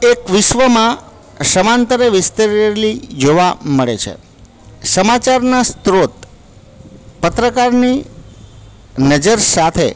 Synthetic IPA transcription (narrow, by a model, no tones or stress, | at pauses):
ekʋɪʃʋəmã | səmant̪əɾeʋɪst̪əɾlid͡ʒoʋaməɭḛt͡ʃʰḛ | səmat͡ʃaɾnast̪ɾot̪̚ | pət̪ɾəkaɾni | nəd͡ʒəɾsat̪ʰḛ